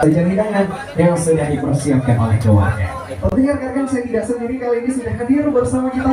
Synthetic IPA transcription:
id͡ʒanidaŋan | jaŋsudahdipərsiap̚kanʔalahd͡ʒowa̰ɲa̰ | pət̪iŋarkat̪̚kansaat̪idasəndiɾikaloinisudahkəbirbəɾsamakit̪a

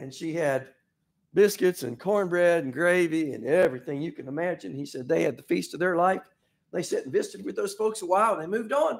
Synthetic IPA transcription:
ɨ̃nʃiɨd̚ | bɪskɨtsɨ̰̃nkʰɔɹnbɹɛɾn̩ɡɹeɪviɨ̰̃nɛvɹiθɪ̃ŋjɨkɨ̃nəmæd͡ʒɨ̃nisɛd̪̚ðeɪɨd̪̚ðəfistʌvðə˞laɪf | ðeɪsɛɾn̩bɪskɨd̚wɨðoʊz̥foʊksəwaɪlˠðeɪmʉvdn̩

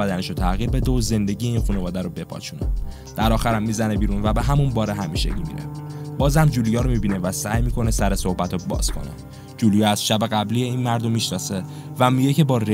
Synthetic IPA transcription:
æd̪æneʃot̪ʰæɣiːɾbe̞d̪eoze̞nd̪e̞ɟijeinxunevɒːd̪æɾobe̞pʰɒ̰ːt͡ʃʰune | d̪̥æɾɒːxæɾæmːiːzænebiːɾunvæbe̞ɦæmunbɒːɾeɦæmiːʃḛɟimḭɾæ̰fb̥ɒːzæmd͡ʒulujɒːɾomibinevæsæːjmiːkʰonesæɾe̞sohbæt̪ʰobɒ̰ːz̥kʰo̞̰nḛ | d͡ʒulujɛæz̥ʃæbeɣæblijeiːnmæɾd̪omːiʃnɒːse̞ | væmiɟece̞bɒːre

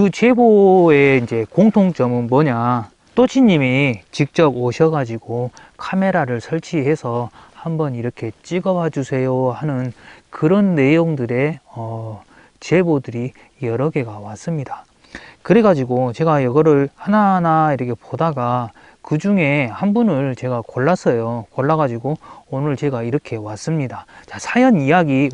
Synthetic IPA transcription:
kɯt͡ɕe̞boe̞ind͡ʑe̞koŋtʰoŋt͡ɕʌmɯnmʌɲa | t͈oɕʰiɲːimit͡ɕik̚t͡ɕ͈ʌboɕʰʌɡad͡ʑiɡo | kʰame̞ɾaɾɯɭsʰʌɭt͡ɕʰiɦe̞sʰʌhambʌniɾʌkʰe̞t͡ɕ͈iɡʌphad͡ʑusʰe̞johanɯnkɯɾʌnːe̞joŋdɯɾe̞ʌ | t͡ɕe̞bodɯɾi | jʌɾʌɡe̞ɡawas͈ɯmɲida | kɯɾe̞ɡad͡ʑiɡot͡ɕe̞ɡajʌɡʌɾɯɭhananaiɾʌkʰe̞podaɡa | kɯd͡ʑuŋe̞hanbunɯɭt͡ɕe̞ɡakoɭːas͈ʌjokoɭːaɣad͡ʑiɡoonɯɭt͡ɕe̞ɡaiɾʌkʰe̞was͈ɯmɲidat͡ɕasʰajʌnijaɡi

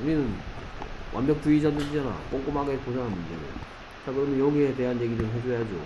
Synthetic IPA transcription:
ninɯn̰ | wʔa̰nbjʌk̚t͈uid͡ʑadɯid͡ʑana̰k͈oŋk͈omaɡeposaŋɦanmund͡ʑeɾḛjo | t͡ɕakɯɾʌmjʌnjʌɡiete̞ɦanje̞ɡidoɭɦe̞d͡ʑojad͡ʑo̰

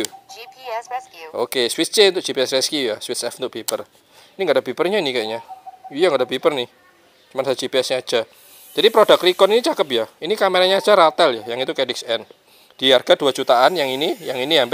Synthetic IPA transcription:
okeswɪt̪s̚t͡ʃent̪ʊʔd͡ʒipiɛsreskiujaswɪt̪sɛfnt̪ʊʔb̥ipər | iniŋɡaʔdabipərɲainikaʔɲaujaŋɡadabipərnɪh | t͡ʃumansad͡ʒipiɛsɲaḁd͡ʒ̥a | d͡ʒ̥adipɾodakrikɔninit͡ʃakəpjahinikameɾaɲaḁd͡ʒ̥aɾat̪ɛljahjaŋit̪ukedɪk̚sɛn | d̥ijarɡ̥ad̥uad͡ʒut̪aanjaŋinijaŋiniɦamp

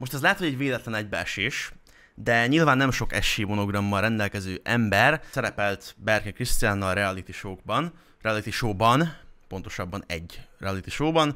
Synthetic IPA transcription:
mo̞ʃt̪ɛzlaːt̪hoɟɛɟveːlɛt̪lɛnɛɟ̚bɛʃeːʃ | d̪ɛɲilvaːnːɛmʃo̞kɛʃːeːmo̞no̞ɡrɒmːɒlrɛnd̪ɛlkɛzøːʔɛmbɛrsɛɾɛpɛlt̪bɛrkɛkrist̪ijaːnːɒlrɛɒlit̪iʃoːɡ̚bɒn | rɛɒlit̪iʃoːbɒnpo̞n̪t̪o̞̥ʃɒbːɒnɛ̰ɟːrɛɒlit̪iʃoːbɒn

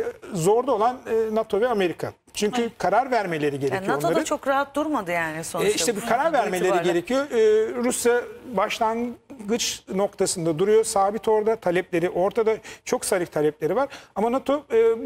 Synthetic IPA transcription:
zo̞ɾd̪ˠo̞lˠanɯːat̪ʰo̞vɛame̞ɾikʰa̰ | t͡ʃʰyɲcʰykʰaɾaɾvæɾme̞lʲe̞ɾiɟeɾenioaonoad̪ɾɯt͡ʃʰokɾaɦat̪̚d̪uɾmad̪ɯjaːnisoniʃt̪ɛbikʰaɾaɾvæɾme̞lʲeɾiɟeɾecʰijo̞ːɾusjabaʃlˠaŋɡɯt͡ʃno̞k̚t̪ʰasɯnd̪ad̪uɾujosaːbit̪ʰo̞ɾd̪at̪ʰalʲɛplʲe̞ɾiʔo̞ɾt̪ʰad̪at͡ʃʰo̞ksaɾɯk̚t̪ʰalʲɛplʲe̞ɾivaɾamanat̪ʰo̞ː

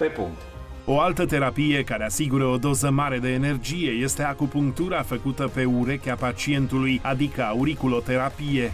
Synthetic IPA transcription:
pepṵŋkt̪ | o̞alt̪ət̪e̞ɾapije̞kaɾe̞asiɡuɾəo̞d̪o̞zəmaɾe̞d̪e̞ːne̞rd͡ʒije̞je̞st̪e̞akupuŋk̚t̪uɾafəkut̪əpe̞uɾe̞kʲeapat͡ʃient̪ulujad̪ikəauɾikulo̞t̪e̞ɾapije̞

